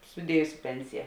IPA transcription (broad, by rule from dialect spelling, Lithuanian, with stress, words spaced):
sʊˈdʲiɛjʊs ˈpʲɛnʲsʲɪjɛ